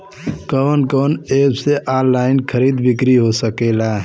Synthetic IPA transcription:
kəʋənkəːnebseʔalːaɪnkʰəɾid̪bɪkɾiɦosəkela

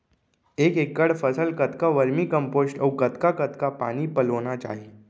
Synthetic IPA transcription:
ekekːəɽfəsəlkət̪kaʋəɾmikəmposʈəwkət̪kakət̪kapa̰ñiːpəlonat͡ɕa̰ɦi

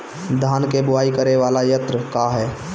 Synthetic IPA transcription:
d̪ʱaːnkebʊaːikəɾeʋaːlajət̪ɾəkaɦɛː

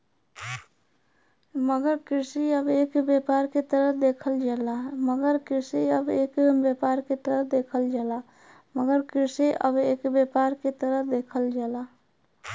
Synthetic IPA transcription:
məɡəɾkɪɾsiəbeːkbjepaːɾket̪əɾəɦd̪eːkʰəld͡ʒaːlaɦməɡəɾkɪɾsiəbeːkbeːpaːɾket̪əɾəd̪eːkʰəld͡ʒaːla | məɡəɾkɪɾseʔə̰beːkbjepaːɾket̪əɾəd̪eːkʰəld͡ʒaːlaː

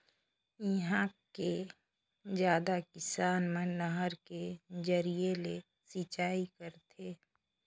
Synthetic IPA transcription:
jiɦãke | d͡ʒjaːd̪akɪsaːnmẽnəɦəɾked͡ʒəɾijele | sit͡ʃaːikəɾt̪ʰeː

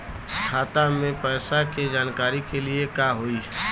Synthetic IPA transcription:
kʰaːt̪amẽpɛːsaked͡ʒaːnkaːɾikeliekaɦoi

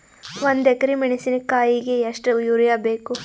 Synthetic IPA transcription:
ʋond̪ɛkɐɾimiɳisinɐkaːjiɡeɐʂʈɐjuɾjaːbeːku

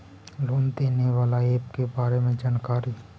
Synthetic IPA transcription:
loːnd̪eːneʋaːlaeːpkebaːɾemẽd͡ʒaːnkaːɾi

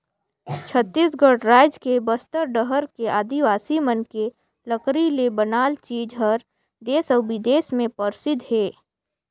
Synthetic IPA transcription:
t͡ʃʰət̪ːisɡəɽɾaːɪd͡ʒkebəst̪əɾɖəɦəɾkeʔaːd̪iʋaːsimənke | ləkɾilebənaːlt͡ʃiːd͡ʒɦəɾ | d̪eːsɔːbɪd̪eːsmẽpəɾsɪd̪ɦeː

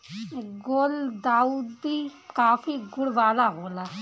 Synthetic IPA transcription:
ɡold̪aːud̪bikaːfʰiɡʊɽʋaːlaɦoːla

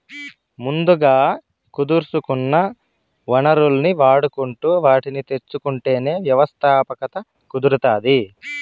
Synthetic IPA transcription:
mund̪uɡaː | kud̪uɾsukunːɐ | ʋɐnɐɾulniʋaːɽukuɳʈuːʋaːʈinit̪e̞t͡ʃːukuɳʈe̞ːne̞ːʋjɐʋɐst̪ʰaːpɐkɐt̪ɐ | kud̪uɾut̪aːd̪i

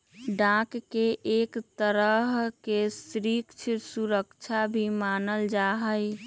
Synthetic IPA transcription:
ɖãkːeʔekt̪əɾəɦkesɾikt͡ʃʰiɾsuɾəkt͡ʃʰabʱimanəld͡ʒaɦəj

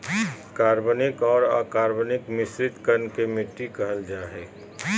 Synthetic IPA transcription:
kaːɾbənɪkɔːɾa̰ːkaːɾbənɪkmɪsɾɪt̪kənkemɪʈːikɐɦəld͡ʒaːɦeː

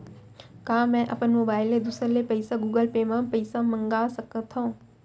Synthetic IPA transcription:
kaːmɛ̃ːʔɐpənmoːbaːɪled̪usəɾlepɐɪsaɡuːɡəlpeːmãːpɐɪsamɐ̃ŋɡaːsɐkət̪ʰõ

